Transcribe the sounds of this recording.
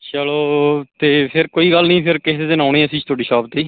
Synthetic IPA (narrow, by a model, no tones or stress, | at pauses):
t͡ʃəloːt̪eːpʰɪɾkoːiːɡəlnĩːpʰɪɾkɪɦeːd̪enãːʊnĩːəsĩːt͡ʃt̪ʊaːɖiːʃaːb̚t̪iː